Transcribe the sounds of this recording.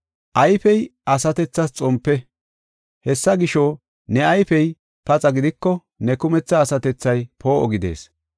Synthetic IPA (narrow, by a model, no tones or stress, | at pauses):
ʔɐjfɛjɐsɐt̪ɛt͡sːɐst͡sʼɔmpːɛ | hɛsːɐɡɪʃo | nɛɐjfɛj | pɐt͡sʼɐɡɪd̪ɪkːɔ | nɛkʊmɛt͡sːɐːsɐt̪ɛt͡sːɐjpo̞ːʔɔɡɪd̪e̞̰ːs